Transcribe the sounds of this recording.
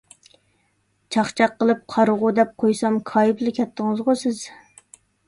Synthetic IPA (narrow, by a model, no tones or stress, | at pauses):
t͡ʃʰɑχt͡ʃʰɑqːəlˠɨp̚qʰɑɾəʁʊd̪ɛp̚qʰojsɑmkʰɑːjiblɪkʲʰɛt̪ʰːəŋɨzʁʊsɪz̥